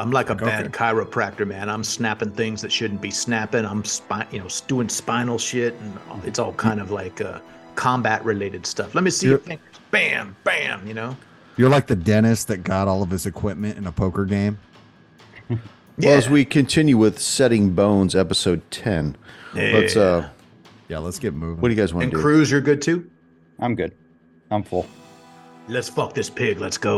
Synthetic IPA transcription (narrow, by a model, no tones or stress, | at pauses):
ãɪ̃mlaɪkəbæd̚kʰaɪɹɨpʰɹ̥æk̚tə˞mæ̃nãɪ̃msnæpɪ̃ŋθɪ̃ŋzðɨtʃʊdⁿn̩b̥isnæpɪ̃ŋãɪ̃mspajɨnoʊsd̥ʉɪ̃ŋspãɪ̃nl̩ˠʃɪtn̩ɨtsɔlˠkʰãɪ̃ndʌvlaɪkʌ̰ | kʰɑ̃mbæʔɹʔɨleɪɾɨd̥stʌflɛt̚misiθɪ̃ŋb̥æ̃mb̥æ̃mjɨnoʊ | jə˞laɪk̚ðɨdɛñɨsðɨt̚ɡ̥ɑɾɔlˠʌv̥ɨzɨkʰw̥ɪp̚mɨ̃ntɨ̃nəpʰoʊkə˞ɡẽɪ̃m | wɛəzwikʰɨ̃ntʰɪ̃njʉwɪð̥sɛɾɪ̃ŋbõʊ̃nzɛpəsoʊd̚tʰɛ̃nb̥ʌtʌ | jæ̰lətsɡ̥ɛt̚mʉvɪ̃wʌdɨjɨɡaɪzwɑ̃ɨñndkɨɹ̥ʉzjə˞ɡʊd̚tʰʉ | ʔãɪ̃mɡʊd̥̚ | ãɪ̃ɱfʊlˠ | lɨtsfʌk̚ðɪspʰɪɡlɨtsɡ̥oʊ